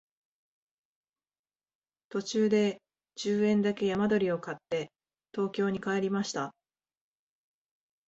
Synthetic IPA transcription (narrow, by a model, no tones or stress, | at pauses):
t̪o̞t͡ɕɨːd̪e̞ | d͡ʑɨːẽ̞nd̪ake̞jamad̪o̞ɾʲio̞kat̪ːe̞ | t̪o̞ːkʲo̞ːɲ̟ikae̞ɾʲimaɕi̥t̪a